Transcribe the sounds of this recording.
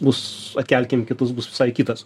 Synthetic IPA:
bʊsɐt̪ʲkʲɛlʲkʲemkʲɪt̪ʊs̬bʊsʋʲɪ̥sɐɪkʲiːt̪ɐs

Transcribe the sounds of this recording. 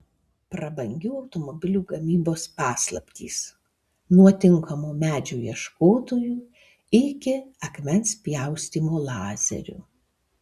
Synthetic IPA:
pɾɐbɐŋʲɡʲuːɐʊt̪ɔmɔbʲɪlʲuːɡɐmʲiːboːspɑːslˠɐ̰pʲt̪ʲḭːs | nuɔt̪ʲɪŋˑkɐmuːmʲæːd͡ʒʲuːjiɛʃkoːt̪oːjuː | ɪkʲɪɐkʲmʲɛnspʲjɛˑʊsʲt̪ʲiːmuːlˠɑːzʲɛ̰ɾʲʊ̰

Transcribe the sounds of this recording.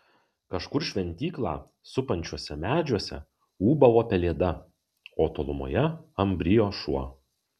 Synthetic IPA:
kɐʃkʊɾʃʲʋʲɛnʲt̪ʲiːklˠɑ̰ː | sʊpɐnʲt͡ʃʲuɔsʲɛmʲæːd͡ʒʲuɔsʲɛ̰ | uːbɐʋoːpʲɛlʲeːd̪ɐ | oːt̪oːlˠʊmo̰ːjɛɐmʲbʲɾʲɪjoːʃuɔ

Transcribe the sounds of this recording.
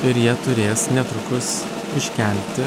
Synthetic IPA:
ɪɾjiɛt̪ʊɾʲeːsnʲɛt̪ɾʊkʊs | ɪʃʲkʲɛl̚ʲt̪ʲɪ

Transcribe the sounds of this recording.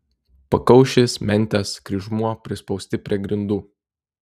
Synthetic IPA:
pɐkɐʊʃʲesmʲɛnʲˑt̪ʲæskɾʲɪʒmuɔpʲɾʲɪspɔʊsʲt̪ʲɪpʲɾʲiɛɡɾʲɪnd̪uː

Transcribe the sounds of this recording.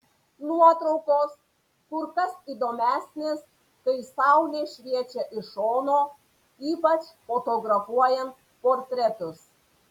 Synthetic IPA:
nuɔt̪ɾɔʊkoːs | kʊɾkɐsiːd̪oːmʲæːsʲnʲeːs | kɐɪsɑˑʊlʲeːʃʲʋʲiɛt͡ʃʲɛʔɪʃoːnoː | iːpɐt͡ʃfot̪oɡɾɐfuɔjɛnt̪̚ | poːɾʲt̪ʲɾʲɛt̪ʊs

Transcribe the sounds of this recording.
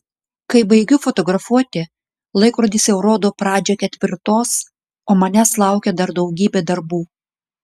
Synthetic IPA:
kɐɪbɐɪɡʲʊfɔt̪ɔɡɾɐfuɔt̪ʲɪ | lˠɐɪkɾoːd̪ʲiːsʲɛʊɾoːd̪oːpɾɑːd͡ʒʲɛkʲɛt̪ʲʋʲɪɾt̪oːs | oːmɐnʲæslˠɑˑʊkʲɛd̪ɐɾd̪ɐʊɡʲiːbʲeːd̪ɐɾbuː

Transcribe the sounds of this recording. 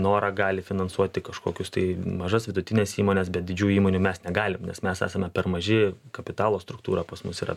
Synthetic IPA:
noːɾɐɡɑːlʲɪfʲɪnɐnsuɔt̪ʲɪkɐʃko̰ːkʲʊst̪ɐɪmɐʒɐsʋʲɪd̪ʊt̪ʲɪnʲeːsiːmoːnʲɛs̬bʲɛt̪̚dʲɪd͡ʒʲuːjʊiːmoːnʲuːmʲɛsnʲɛɡɑːlʲɪmnʲɛ̰smʲɛsæ̰ːsɐmʲɛpʲɛrmɐʒʲɪkɐpʲɪt̪ɑːlˠoːst̪ɾʊkt̪uːɾɐpɐsmʊsiːɾɐ̰

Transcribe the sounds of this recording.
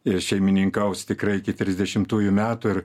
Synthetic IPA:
ɪʃʲɛɪmʲɪnʲɪŋkɐʊst̪ʲɪkɾɐɪɪkʲɪt̪ʲɾʲɪzʲd̪ʲɛʃʲɪmt̪uːjʊmʲæːt̪ʊɪr

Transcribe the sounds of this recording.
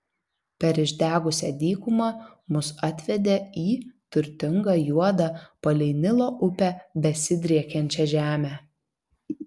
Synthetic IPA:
pʲɛɾɪʒʲd̪ʲæːɡʊsʲɛd̪ʲiːkʊmɑmʊsɐt̪ʲʋʲɛd̪ʲeːiːt̪ʊɾʲt̪ʲɪŋɡɑːjuɔd̪ɑpɐlʲɛɪnʲɪlˠoːʔʊpʲɛbʲɛsʲɪd̪ʲɾʲiɛkʲɛnʲt͡ʃʲɛʒʲæːmʲæː

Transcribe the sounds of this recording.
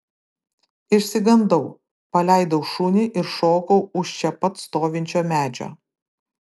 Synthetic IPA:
ɪʃʲsʲɪɡɐnd̪ɐʊ | pɐlʲæˑɪd̪ɐʊʃʊnʲɪʔɪɾʃoːkɐʊʊʃt͡ʃʲɛpɐt̪st̪oːʋʲɪnʲt͡ʃʲoːmʲæːd͡ʒʲo̰ː

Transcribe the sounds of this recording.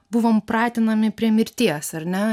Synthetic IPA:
bʊʋoːmpɾɑːt̪ʲɪnɐmʲɪpʲɾʲiɛmʲɪɾʲt̪ʲiɛsɐɾʲnʲɛ

